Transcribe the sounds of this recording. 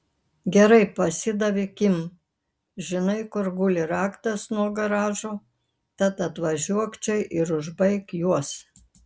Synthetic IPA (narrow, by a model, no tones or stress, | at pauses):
ɡʲɛɾɐɪpɐsʲɪd̪ɐʋʲɪkʲɪm | ʒʲɪnɐɪkʊɾɡʊlʲɪɾɑːkt̪ɐsnuɔɡɐɾɑːʒoː | t̪ɐt̪ɐt̪ʋɐʒʲuɔkt͡ʃʲɛɪʔɪɾʊʒbɐɪkjuɔs